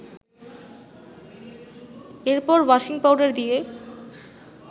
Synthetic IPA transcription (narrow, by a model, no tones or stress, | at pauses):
eɾpɔɾwaʃiŋpawɖeɾd̪ije